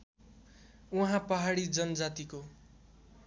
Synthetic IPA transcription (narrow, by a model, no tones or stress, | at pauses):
uɦãpʌɦaɽid͡zʌnʌd͡zat̪iko